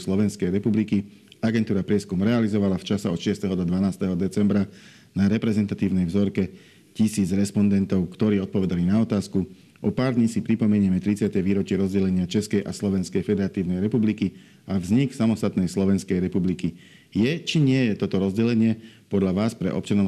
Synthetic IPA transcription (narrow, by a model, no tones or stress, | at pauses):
slɔʋɛnskɛjɾɛpublikiaɡɛnt̪uːɾapɾɪɛskumɾɛalizɔʋalaft͡ʃasɛɔt̪ʃɪɛst̪ɛɦɔd̪ɔd̪ʋanaːst̪ɛɦɔd̪ɛt͡sɛmbɾa | naɾɛpɾɛzɛnt̪at̪iːʊnɛjvzɔɾkɛ | cisiːd͡zɾɛspɔnd̪ɛnt̪ɔʊkt̪ɔɾiːɔt̪̚pɔʋɛd̪alinaɔt̪aːsku | ʔɔpaːɾd̪ɲisipɾipɔmɛɲɪɛmɛt̪ɾit͡sɪat̪ɛʋiːɾɔt͡ʃɪɛɾɔzɟɛlɛɲɪat͡ʃɛskɛjʔa̰slɔʋɛnskɛjfɛd̪ɛɾat̪iːʊnɛjɾɛpubliki | avzɲiksamɔst̪at̪nɛjslɔʋɛnskɛjɾɛpubliki | jɛt͡ʃiɲɪɛjɛt̪ɔt̪ɔɾɔzɟɛlɛɲɪɛpɔd̪ʎaʋaːspɾɛ̰ʔɔ̰pt͡ʃanɔʊ